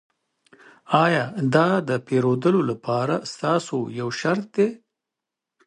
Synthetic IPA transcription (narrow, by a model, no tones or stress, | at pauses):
ɑjɑd̪ɑd̪əpeɾod̪əlolapʰɑɾast̪ɑsojawʃaɾt̪̚d̪e